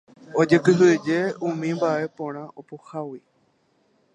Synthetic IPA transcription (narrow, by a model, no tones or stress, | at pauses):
o̞d͡ʒɨkɨɦɨd͡ʒe̞ũmĩmbaʔe̞põɾ̃ãʔopohawi